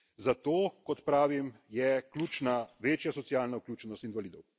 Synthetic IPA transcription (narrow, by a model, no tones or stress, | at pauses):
zat̪oːkɔt̪pɾaːʋimjɛklʲuːt͡ʃnaʋeːt͡ʃjasɔtsijaːlnauklʲuːt͡ʃɛnɔst̪inʋaliːd̪ɔw